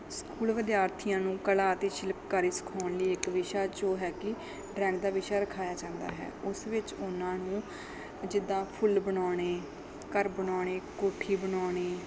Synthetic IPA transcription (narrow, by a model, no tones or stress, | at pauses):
skuːlʋɪd̪jaːɾt̪ʰijãːnũːkəlaːt̪eːʃɪlpːaːɾiːsə̥kʰaːnliːɪkʋɪʃaːd͡ʒoːɦɛːkɪ | ɖɾɛ̃ːɳd̪aːʋɪʃaːɾəkʰaːjaːd͡ʒãːnd̪a̰ːɦɛ̰ːʊsʋɪt͡ʃʊnãːnũː | d͡ʒɪd̪ãːpʰʊlbəɳoːɽ̃eː | kəɾbəɳoːɳeːkoːʈʰiːbəɳoːɽ̃eː